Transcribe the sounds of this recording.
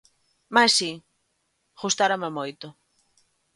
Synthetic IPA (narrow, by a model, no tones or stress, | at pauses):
massi | ɣust̪aɾamemojt̪ʊ